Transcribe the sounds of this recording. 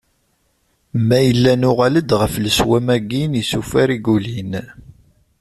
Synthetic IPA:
mæjəlːænʊʁaləd̪ʁəfləswæmæɡinisufæɾiɡulin

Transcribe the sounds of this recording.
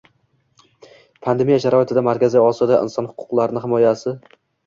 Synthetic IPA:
pʰand̪emijaʃaɾɒɪt̪ʰɪd̪amaɾkʲazɪɒsɪd̪aʔɪ̰nsɒnhʊ̥qʰʊ̥qlˠaɾɪnɪɦɪmɒjasɪ

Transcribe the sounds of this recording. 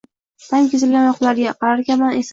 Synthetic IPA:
t̪ʰamkʲɪzɪlɡʲanjɒqlˠaɾɡʲaqʰɑɾaɾkʲamanes

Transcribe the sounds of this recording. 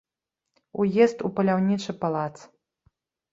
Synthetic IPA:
ujɛst̪upɐlʲawnʲit͡ʂɨpalˠat̪s

